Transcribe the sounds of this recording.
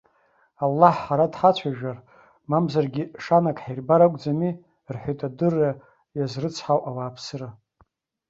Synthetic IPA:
alːaħːaɾadħat͡ɕʷʰaʒᶣar | mamzarɡʲiʂanakʰʼħajrbaɾakʷʼd͡zami | rħʷojtʼadɨrːa | jazrɨt͡sʰħawʔawaːpʰsɨra

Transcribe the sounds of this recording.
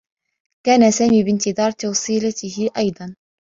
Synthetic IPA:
kaːnasaːmiːbɪnt̪ɪðɑːɾˤt̪ɑwsˤiːlat̪ɪhɪʔɑjd̪ˤɑn

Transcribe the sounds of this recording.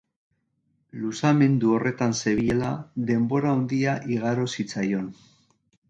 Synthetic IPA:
lusame̞nd̪uo̞re̞t̪anse̞βie̞laðe̞mbo̞ɾaond̪iaʔiɣ̞aɾosit͡sajo̞n

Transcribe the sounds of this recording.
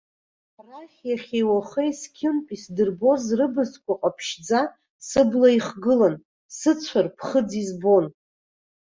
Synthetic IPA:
raχʲjaχʲejwaχejskʲʰɪnpʼisdɨrbo̞zrɨbɨskʷʰʼaqʼapʰʃd͡za | sɨblaiχɡɨlan | sɨt͡sʷʰarpʰχəd͡zizbo̞n

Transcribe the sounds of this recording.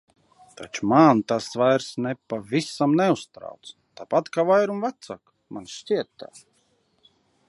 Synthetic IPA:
t̪ʰa̰t͡ʃu̥mant̪asvajɾsnɛpavʲisamnɛust̪ɾa̰wt̪st̪apat̪kavajɾumvat̪sak | mʔanʃtʲiɛt̪ːaː

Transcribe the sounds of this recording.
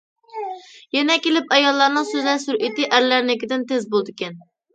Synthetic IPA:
jɛnɛkʲelɪpɛjɑlˠːɑɾnɨŋsøzlæɾsuɾʔit̪ɪʔæɾlæɾnɪkʲɪd̪ɪnt̪ezbolˠd̪ɪkʲɛn

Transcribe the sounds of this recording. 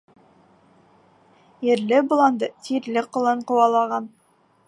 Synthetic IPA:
jɘ̆ɾlɘbŏlˠɑnd̪ɤt̪ʰiɾlɘqŏlˠɤɴqŏwɑlˠɑʁɑn

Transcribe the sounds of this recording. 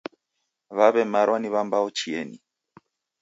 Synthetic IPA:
βaβɛmaɾɔniβambaɔt͡ʃiɛni

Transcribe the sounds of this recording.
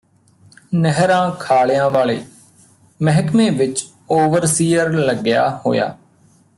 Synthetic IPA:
nəɦɾãːkʰaːɭjãːʋaːɭeː | məɦəkmẽːʋɪt͡ʃ | oːʋəɾsiːəɾləɡɪja̰ːho̰ːja̰ː

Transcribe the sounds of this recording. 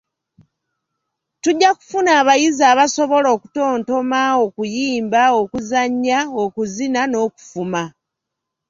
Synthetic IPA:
tuɟːaku̥funaːβajizaːβaso̞βo̞lo̞ːku̥to̞ːnto̞mao̞kujiːmbao̞kuzaɲːao̞kuzinano̞ːku̥fuma

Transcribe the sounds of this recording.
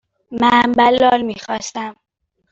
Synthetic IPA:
mænbælːɒːɾmiːxɒːst̪æm

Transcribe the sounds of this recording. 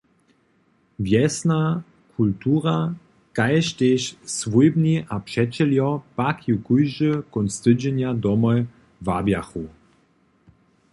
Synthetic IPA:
vjɛsna | kʰultuːʁa | kajɕteɕsvujbniʔapʂɛt͡ɕɛljɔpakʰjukujʒəkɔnst̪ɨd͡ʑɛnjadɔmɔj | vabjaxu

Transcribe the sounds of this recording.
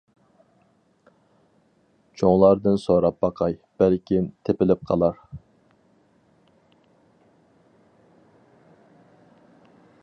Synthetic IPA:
t͡ʃʰoŋlˠɑɾd̪ɨnsoɾɑp̚bɑqʰɑjb̥ælkʲint̪ʰepɪlɪp̚qʰɑ̰lˠɑɾ

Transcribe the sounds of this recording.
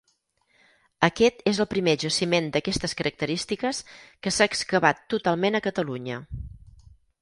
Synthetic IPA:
əkɛt̪ezəlˠpɾimeʒəsimend̪əkɛst̪əskəɾək̚t̪əɾist̪ikəskəsaːkskəβat̪ːut̪alˠmenəkət̪əluɲə

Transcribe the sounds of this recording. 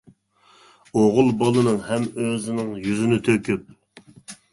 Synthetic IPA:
oʁʊlˠbɑlˠɨnɨŋhɛmøzɪnɪŋjyzɪnɪt̪ʰøkʲyp̚

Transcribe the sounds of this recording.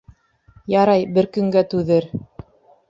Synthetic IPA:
jɑɾɑjbɘɾkɵ̆ŋɡæt̪ʉðɘɾ

